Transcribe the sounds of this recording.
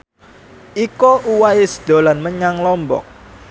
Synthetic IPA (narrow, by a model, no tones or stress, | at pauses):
ikoʔuwaɪsə̥d̪̥o̤lanməɲaŋlɔmbɔ̰k̚